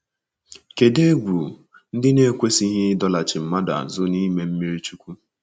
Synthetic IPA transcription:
ke˨de˦ɡ͡bu˨ | n̩˦dɪ˦ne˦kʷe˦si˦ɦɪ˦dɔ˦la˨t͡ʃɪ˨m̩˨ma˦da̰˨zʊ˦ni˦me˦m̩˦mi˦ɾi˦t͡ʃu˦kʷu˦

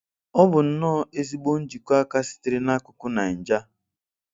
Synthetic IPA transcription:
ɔ˦bʊ˨n̩˦nɔː˦e˦zi˦ɡ͡bo˦n̩˦d͡ʒi˨kʷa˦ka˦sɪ̥˦tɪ˨ɾɪ˦na˦kʊ˨kʊ˦na˨n̩˨d͡ʒa˦

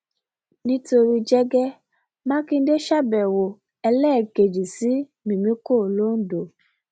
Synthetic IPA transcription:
nĩ˦to˧ɾi˦d͡ʒɛ˦ɡɛ˦ | mã˦kĩ˧n̩˦de˦ʃa˦bɛ˨wo˨ | ɛ˧lɛ˦˨ke˨d͡ʒi˨si˨˦ | mĩ˨mĩ˦ko˦˨lo˦n̩˦do˨

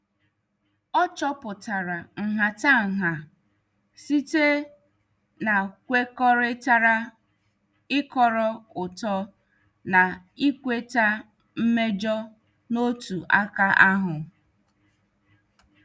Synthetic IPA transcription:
ɔ˦t͡ʃɔ˦pʊ˨ta˨ɾa˨ŋ̩˨ɦa˨ta˦ŋ̩˨ɦa˨ | si˦te˦ | na˨kʷe˦kɔ˦ɾɪ˦ta˦ɾa˦ | ɪ˦kɔ˦ɾɔ˦ʊ˨tɔ˦ | na˨i˦kʷe˦ta˦ | m̩˦me˦d͡ʒɔ˦ | no˦tu˨ʔa˦ka˦ʔa˦ɦʊ˨

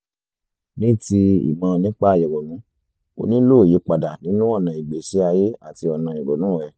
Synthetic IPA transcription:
nĩ˦ti˧ḭ˨mã˧nĩ˦k͡pa˦a˧˨jɛ˨ɡo˨nũ˨˦ | o̰˧nĩ˦lo˦˨je˨˦k͡pa˨da˨nĩ˦nũ˦ɔ˦˨nã˨i˨ɡ͡be˨si˨˦a˧je˦a˦˨ti˧ɔ˧nã˧˨i˨ɾo˨nũ˦wɛ˦˨

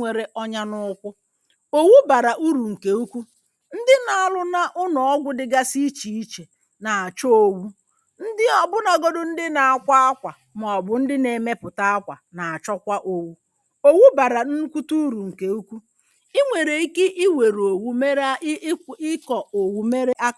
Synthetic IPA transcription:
e˨ɾe˨ʔɔ˦ɲa˦nʊ˦kʷʊ˦ | o˦wu˦ba˨ɾa˨ʔu˦ɾu˨ŋ̩˨ke˨u˦kʷu˦ | n̩˦dɪ˦na˨a˨lʊ˦na˦ʔʊ˦nɔ˨ɔ˦ɡʷʊ˦dɪ˦ɡa˦si˦t͡ʃi˨i˦t͡ʃe˨ | na˨a˨t͡ʃɔ˦o˨wu˦ | n̩˦dɪ˦ɔ˨bʊ˦na˨ɡo˦dʊ˦n̩˦dɪ˦na˨a˨kʷa˦a˦kʷa˨ | m˨ɔ˨bʊ˦n̩˦dɪ˦ne˨me˦pʊ˨ta˦a˦kʷa˨na˨a˨t͡ʃɔ˦kʷa˦ʔo˨wu˦ | o˦wu˦ba˨ɾa˨n̩˦kʷu˦tu˦u˦ɾu˨ŋ̩˨ke˨u˦kʷu˦ | i˦ŋʷe˨ɾe˨i˦ke˦ʔi˦we˨ɾo˨wu˦me˦ɾɪ˦kɔ˨o˨wu˨me˦ɾe˦ʔa˦

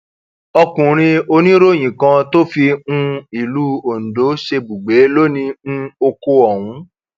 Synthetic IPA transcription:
ɔ˧kũ˨ɾ̃ĩ˧o˧nĩ˦ɾo˦˨j̃ĩ˨kã˧to˦fi˧ũ˧i˨lu˨˦o˨n̩˨do˨˦ʃe˧bu˨ɡ͡be˨˦lo˦nĩ˧o˧ko˧ɔ˨wũ˨˦

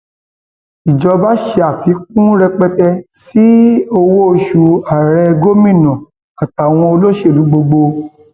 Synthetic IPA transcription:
i˨d͡ʒɔ˨˧ba˦ʃe˧a˦˨fi˨˦k̚ũ˦ɾɛ˧k͡pɛ˧tɛ˧si˦o˧wo˦o˧ʃu˧a˨ɾɛ˧ɡo˦mĩ˦˨nɔ̃˨ | a˨ta˨w̃ɔ̃˧o˧lo˦ʃe˦˨lu˨˦ɡ͡bo˧ɡ͡bo˧

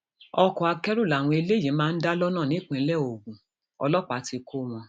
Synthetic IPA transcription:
ɔ˧kɔ˨a˧kɛ˦ɾo˦˨la˨w̃ɔ̃˧e˧le˦˨jĩ˨˦mãː˦n̩˦da˦lɔ˦nãː˦˨nĩ˨˦k͡pĩ˨˦lɛ˦˨o˨ɡũ˨ | ɔ̰˧lɔ˦k͡pa˨˦ti˧kʰo˦w̃ɔ̃˧

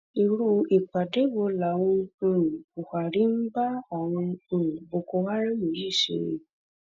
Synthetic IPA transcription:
i˨ɾu˧˦i˨k͡pa˨de˨˦wo˧˦la˨˦w̃ɔ̃˧˨ | ku˨ha˨ɾi˨˦m̩˦ba˦ɔ˨w̃ɔ̃˧˨bo˧ko˧wa˦ɾ̃ã˦mĩ˨ɾi˦˨ʃḭ˨˦ɾḛ˧˦

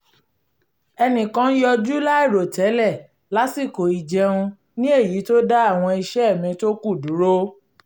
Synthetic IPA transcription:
ɛ˧nĩ˨kã˦n̩˦jɔ˧d͡ʒu˦la˦i˦˨ɾo˨tɛ˨˦lɛ˦˨ | la˨˦si˦˨ko˨i˨d͡ʒɛ˧ũ˧ | nĩ˦e˦˨ji˨˦to˦da˦a˦˨w̃ɔ̃˧i˧ʃɛ˦ɛ˦˨mĩ˧to˦ku˦˨du˨˦ɾo˦

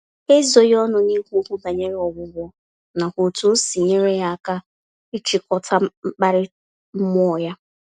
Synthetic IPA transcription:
e˦zo˨jɔ˦nʊ˦ni˦hkʷu˦ba˨ɲe˦ɾe˦ɔ˨ɡʊ˦ɡʷɔ˦ | na˨kʷo˨tu˦si˨ɲe˦ɾe˦ja˦a˦˨ka˦ | i˦t͡ʃi˨kɔ˦tʰa˦m̩˦k͡pa˦ɾɪ˦ | m̩˦m˦ɔ˦˨ja˦

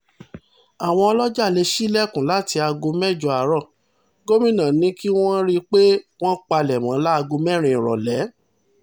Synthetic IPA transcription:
a˨w̃ɔ̃˧ɔ˧lɔ˦d͡ʒa˦˨le˧ʃi˦lɛ˦˨kũ˨la˨˦ti˧a˧ɡo˧mɛ˦˨d͡ʒɔ˧˨a˨ɾɔ̃˦˨ | ɡo˦mĩ˦nã˨nĩ˦ki˦w̃ɔ̃˦ɾi˦k͡pe˦w̃ɔ̃˦k͡pa˧lɛ˨mã˨˦la˦a˧ɡo˧mɛ̃˦ɾ̃ĩ˧˨ɾɔ̰˨lɛ˨˦

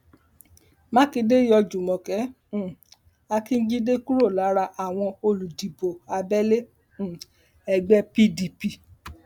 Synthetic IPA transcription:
mã˦ki˧de˦jɔ˧d͡ʒu˨mɔ̃˨kɛ̃˨˦˨ | a˧ki˦n̩˦d͡ʒi˦de˦ku˦ɾo˦˨la˨˦ɾa˧ʔa˨w̃ɔ̃˧o˧lu˨di˨bo˨a˧bɛ˦lẽ˦˨ | ɛ˨ɡ͡bɛ˧pi˧di˨pi˨

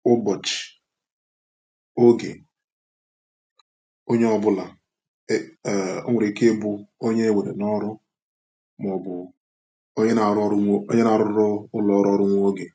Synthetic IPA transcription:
ʊ˦bɔ˨t͡ʃɪ̥˨ | o˦ɡḛ˨ | o˦ɲe˦ɔ˦bʊ˦la˨˦˨ | ʊ̰˦ŋʷʊ˨ɾi˨ke˦bʊ˦o˦ɲe˦e˦we˨ɾḛ˨nɔ˦ɾʊ˦ | m˨ɔ˨bʊ˨˦ | ɲe˦na˨ɾɾo̰˦ɲe˦na˨ɾʊ˦ɾɔ˦ʊ˦lɔ˨˦ɾɔ˦ɾʊ˦ŋʷ˦o˦ɡe˨

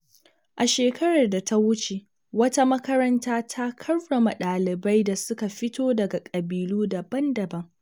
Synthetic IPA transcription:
ʔa˨ʃeː˨kɐ˦ɾɐ˨rda˨tʰa˦wʊ˦t͡ʃe˨ | wɐ˦ta˦mɐ˦kɐ˦ɾɐ˦ntaː˦tʰa˦kʰɐ˦rːɐ˨ma˨ɗaː˨lɪ˨ba˦jda˨sʊ˦ka˨ɸɪ˦toː˦dɐ˨ɡa˨kʼɐ˨biː˨luː˦dɐ˨bɐ˦ndɐ˨bɐ˦ŋ

